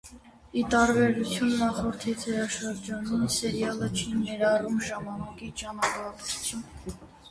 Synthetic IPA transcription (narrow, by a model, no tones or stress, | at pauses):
it̪ɑɾbɛɾut͡sʰjunːɑχɔɾt̪ʰit͡sʰɛɾɑʃəɾd͡ʒɑninsɛɾjɑlət͡ʃʰinɛɾɑrumʒɑmɑnɑkit͡ʃɑnɑpɑɾku̥t͡sʰjun